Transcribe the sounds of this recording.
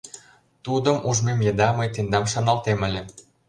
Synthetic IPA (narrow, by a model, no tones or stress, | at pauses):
t̪ud̪əmuʒmemjed̪ɑmɤjt̪end̪ɑmʃɑnɑlt̪emə̆lʲĕ